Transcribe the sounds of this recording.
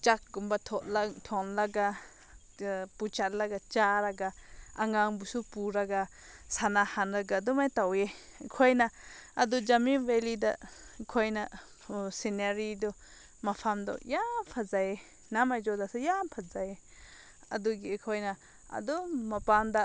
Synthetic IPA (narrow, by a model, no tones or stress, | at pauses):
t͡ʃak̚ɡumbat̪ʰɔlt̪ʰɔnlaɡa | put͡ʃat̪laɡat͡ʃaɾaɡaaŋaŋbusupuɾaɡa | sanahanɾaɡad̪umajt̪awe | kʰɔjnaad̪ud͡ʒaminwelid̪akʰɔjna | sinaɾid̪ɔ | mapʰamd̪ɔ̰jampʰazaje | namajd͡ʒod̪asajampʰazaje | ɐd̪uɡikʰɔjna | a̰d̪umapand̪a